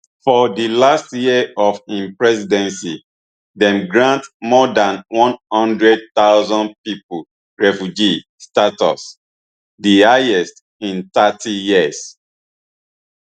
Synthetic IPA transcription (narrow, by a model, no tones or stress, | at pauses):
fɔdilastjiəɔfĩmpɹɛsidɛ̃nsi | dɛ̃mɡɹãntmɔdãnwɔ̃nhʌ̃ndɹɛd̚t̪aʊzɔ̃npipu | ɹɛfjud͡ʒi | statɔ̰s | dihaɛst | ĩntatijiəs